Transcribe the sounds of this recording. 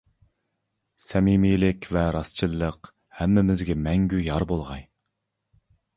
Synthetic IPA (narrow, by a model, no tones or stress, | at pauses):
sɛmimijlɪkʲvɛɾɑst͡ʃʰɨlˠːəq | hæmːɪmɪzɡʲɛmɛŋɡʲyjɑɾbolˠʁɑj